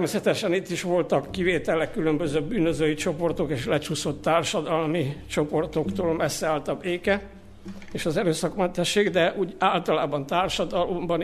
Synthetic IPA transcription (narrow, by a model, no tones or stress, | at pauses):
t̪ɛrmeːsɛt̪ɛʃɛnit̪ːiʃʋo̞lt̪ɒkːiveːt̪ɛlɛkːylømbøzøːbyːnøzøːjit͡ʃo̞po̞rt̪o̞keːʃlɛt͡ʃuso̞t̪ːaːrʃɒd̪ɒlmit͡ʃo̞po̞rt̪o̞kt̪oːlmɛsːɛaːlt̪ɒbeːkɛ | eːʃɒzɛɾøːsɒkmɛnt̪ɛʃːeːɡd̪ɛʔuːɟaːlt̪ɒlaːbɒnt̪aːrʃɒd̪ɒlo̞mbɒn